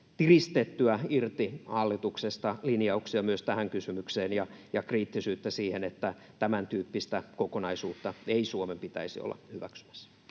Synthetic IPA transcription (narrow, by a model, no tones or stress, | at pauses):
t̪irist̪et̪ːyæirt̪ihɑlːit̪uksest̪ɑlinjɑuksiɑmyøst̪æhæŋkysymykseːnjɑjɑkriːt̪ːisyːt̪ːæsiːhenet̪ːæ | t̪æmænt̪yːpːist̪ækokonɑisuːt̪ːɑeisuomempit̪æ̰isio̰lːɑ̰hyʋæksy̥mæ̥sː